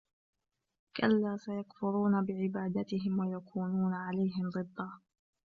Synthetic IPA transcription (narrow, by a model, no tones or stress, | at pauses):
ka̰lːaːsajakfʊɾuːnabɪʕɪbaːd̪at̪ɪɦɪmwajakʰuːnuːnaʕalajɦɪmd̪ˤɨd̪ˤːɑː